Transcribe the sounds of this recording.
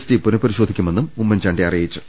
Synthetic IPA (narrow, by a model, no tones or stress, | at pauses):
stipunɨpɐɾiɕo̞ːd̪ʱikʲːume̞nːumumːɐnd͡ʑaːɳɖeɐrijit͡ɕːɨ